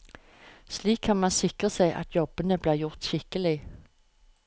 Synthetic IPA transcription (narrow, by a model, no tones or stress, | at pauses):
sliːkʰhɑnmɑnsɪkʁəsæɪʔɑ̰t̪ʰjɔbənəbliːʁjʊʁt̪ɕɪkəlɪ